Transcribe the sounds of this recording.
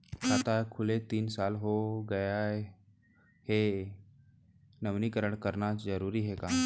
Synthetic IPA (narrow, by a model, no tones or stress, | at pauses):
kʰaːt̪akʰʊlet̪iːnsaːlɦoɡɐja | he | nəʋnikəɾəɳkəɾnazəɾuːɾiɦɛkaː